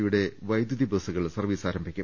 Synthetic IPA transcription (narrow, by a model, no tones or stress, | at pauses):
juɽe̞ʋɐjd̪juðibɐsuɣɐɭsɐrʋiːsaːɾɐmbʱikʲːu